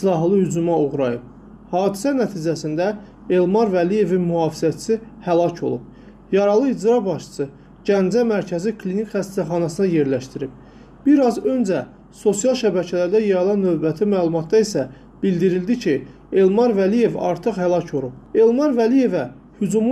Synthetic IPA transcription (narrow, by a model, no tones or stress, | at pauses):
islˠɑɦlˠɯhyd͡ʒumɑoʁɾɑjɯp̚ | hɑːd̪isænæt̪ʰiːd͡ʒæsind̪æ | e̞lmɑɾvælije̞vinmyhɑːfizæt͡ʃʰsihælɑcʰo̞̰lˠṵp̚ | jɑɾɑlˠɯid͡ʒɾɑbɑʃt͡ʃ̪ɯ̥sɯ | ɟænd͡ʒæmæɾcʰæzikʰlinicχæst̪æχɑnɑsɯnɑje̞ɾlæʃt̪iɾib̥̚ | b̥iɾɑzø̞nd͡ʒæ | so̞sjɑlˠʃæbæcʰælæɾd̪æjɑɾɑlˠɑnːø̞vbæt̪ʰimæːlˠumɑt̪̚d̪ɑisæ | b̥ild̪iɾild̪icʰi | e̞lmɑɾvælije̞vɑ̰ɾt̪ʰɯχhælˠɑcʰo̞lˠup̚e̞lmɑɾvælije̞væ | hyd͡ʒum